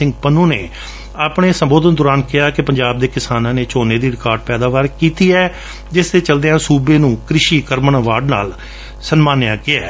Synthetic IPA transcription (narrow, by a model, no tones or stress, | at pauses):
ɪ̃ŋɡpənũːneː | aːpɽeːsəmboːd̪ənd̪ʊɾaːnkɪaːkɪpəɲd͡ʒaːb̚d̪eːkɪsaːnãːneːt͡ʃoːneːd̪iːɾɪkaːɾɖ̚pɛːd̪aːʋaːɾkiːt̪iːɛː | d͡ʒɪst̪eːt͡ʃəld̪eːãːsuːbeːnũːkɾɪʃiːkəɾməɳaːʋaːɖna̰ːl | sənmaːnɪjãːkɪɛː